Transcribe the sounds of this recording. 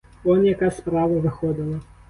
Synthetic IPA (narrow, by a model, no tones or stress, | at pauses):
ɔnjɐkaspɾavɐvɨxɔd̪ɐlˠɐ